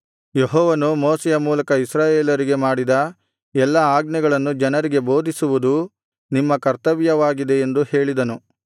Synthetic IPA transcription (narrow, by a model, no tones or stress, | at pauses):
jeɦɔːʋɐnumoːsɛjɐmuːlɐkɐisɾaːjeːlɐɾiɡe̞maːɽid̪ɐ | ɛlːɐaːɡnɛɡɐɭɐnːud͡ʒɐnɐɾiɡe̞bo̞ːd̪ʱisuʋud̪u | nimːɐkɐɾt̪ɐʋjɐʋaːɡid̪e̞ːnd̪uhe̞ːɭid̪ɐnu